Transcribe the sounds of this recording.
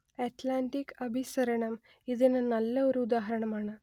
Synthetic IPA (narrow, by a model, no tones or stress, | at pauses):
ɛʈlaɳʈikəbʱisəɾɳəm | id̪enənalːəʋəɾud̪aɦəɾəɳmaɳa